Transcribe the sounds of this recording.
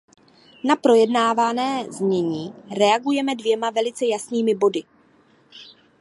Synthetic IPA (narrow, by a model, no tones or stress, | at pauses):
napɾo̞jɛdnaːvanɛːzmɲɛɲiːɾɛaɡujɛmɛdvjɛmavɛlɪt͡sɛjasniːmɪbo̞dɪ